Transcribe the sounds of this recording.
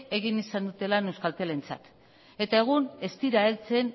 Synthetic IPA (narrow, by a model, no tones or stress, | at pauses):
e̞ɣ̞inisand̪ut̪e̞lanewskalt̪ele̞nt͡sa̰t̪ | e̞t̪ae̞ɣ̞une̞st̪iɾaelt͡se̞n